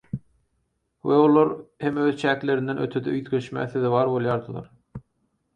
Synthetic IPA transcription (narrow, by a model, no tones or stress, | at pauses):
weolˠɑɾhe̞møːðt͡ʃʰæːkle̞ɾind̪enø̰t̪ʰød̪eyt̪ɡʲe̞ʃmæ̰ːθeðeβɑːɾbo̞lˠjɑːɾd̪ɯlˠɑ̰ɾ